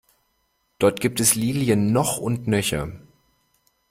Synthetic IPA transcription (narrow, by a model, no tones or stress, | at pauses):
d̥ɔɐtɡ̥iːp̚tɛsliːljənːɔχʊntnœçɐ̰